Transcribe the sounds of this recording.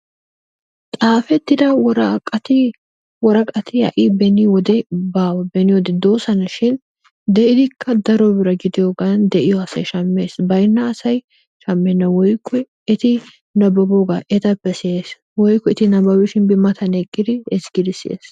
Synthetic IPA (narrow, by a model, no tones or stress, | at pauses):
t̪ʼaːfɛt̪ːɪd̪ɐwɾɐkʼɐt̪ɪ | wɔɾɐkʼɐt̪ɪɐ̰ʔibɛnɪwɔd̪ɛbaːwɐbɛnɪwɔd̪ɛd̪o̞ːsɐnɐʃɪn | d̪ɛʔɪd̪ɪkʰːɐd̪ɐɾɔbɪɾɐɡɪd̪ɪjoɡand̪ɛʔɪjɔɐsɐ̰jʃɐmːeːsbɐjnːɐːsɐj | ʃɐmːɛnːɐwɔjkʰːɛ | ɛt̪ɪ | nɐbɔbɔɡaʔɛt̪ɐpːɛsɪes | wɔjkːɔɛt̪ɪnɐbɐwɪʃɪnbɪmɐt̪ʰɐnɛkʼːɪd̪ɪɛsɡ̥ɪd̪ɪsɪḛːs